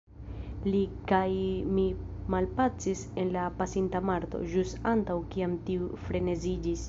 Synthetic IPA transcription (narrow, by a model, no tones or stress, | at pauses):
likajmimalpat͡sise̞nlapasintamaɾto̞̰d͡ʒustantawkiamtiufɾe̞ne̞zid͡ʒis